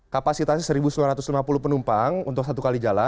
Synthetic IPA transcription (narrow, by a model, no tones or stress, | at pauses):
kapasit̪asisəɾibusulaɾat̪ʊslimapulʊhpənumpaŋṵnt̪ʊksat̪ukalid͡ʒala